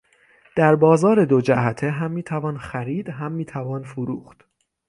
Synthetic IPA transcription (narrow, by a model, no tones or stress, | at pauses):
d̪̥æɾbɒːzɒːɾe̞d̪o̞d͡ʒæhæt̪ʰeɦæmːiːt̪ʰævɒːnxæɾiːd̪̥ɦæmːiːt̪ʰævɒːnfoɾuːxt̪